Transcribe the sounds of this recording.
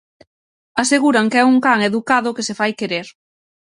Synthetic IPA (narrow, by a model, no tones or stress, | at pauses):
aseɣuɾaŋkeɛuŋkaŋeðukaðʊkesefajkeɾeɾ